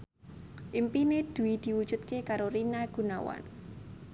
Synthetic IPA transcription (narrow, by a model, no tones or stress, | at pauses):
ʔimpined̪̥ṳwid̪̥i̤wud̥ʒ̥ṳt̪̚kekaɾorinaɡ̥ṳnawa̰n